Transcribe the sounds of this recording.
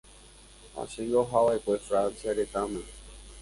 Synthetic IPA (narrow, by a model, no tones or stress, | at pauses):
a̰ʃẽŋɡoɦaʋaekʷe̞fɾansiaɾet̪amã